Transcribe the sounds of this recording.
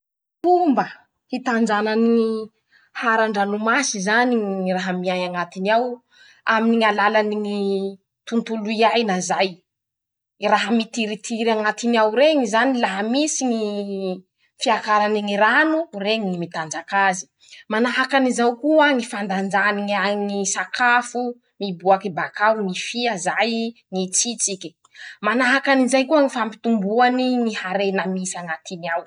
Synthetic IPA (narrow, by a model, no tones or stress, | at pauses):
tumbə | hit̪and͡ʒananii | haɾaɳɖ͡ʐanumasizaniraɦəmiajaŋat̪iniaw | aminiŋalalaniŋi | t̪unt̪uluiajnazaj | raɦəmit̪iɾit̪ʰiɾaŋat̪iniawɾeŋizanilaɦamisiŋi | fiakaɾaniŋiɾanureŋiŋimit̪and͡ʒakazi̥ | manaɦakanizawkuaŋifand̪and͡ʒaniŋaɲŋisakʰafu | mibuakibakawŋifiazajŋit͡sit͡siki̥ | manaɦakanizajkuaŋifampi̥t̪umbuaniŋihaɾenəmisiaŋat̪iniaw